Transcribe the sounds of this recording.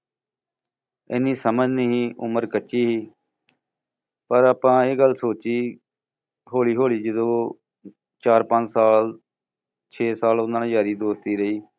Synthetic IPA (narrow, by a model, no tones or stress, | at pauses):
ɪniːsəməd͡ʒnəɦiːʔʊməɾkət͡ʃiːɦiː | pəɾaːpãːeːɡəlsoːt͡ʃiː | ɦoːliːɦoːɭiːd͡ʒəd̪õː | t͡ʃaːɾpəɲd͡ʒsaːl | t͡ʃʰeːsaːlʊnãːñːjaːɾiːd̪oːst̪iːɾəiː